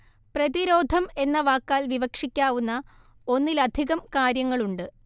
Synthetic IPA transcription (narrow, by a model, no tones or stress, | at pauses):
prɐðiɾo̞ːd̪ʱɐme̞nːɐʋaːkːaːlʋiʋɐkʂikʲːaːʋunːɐ | o̞nːilɐd̪ʱiɣɐmkaːɾjɐŋːɐɭuɳɖɨ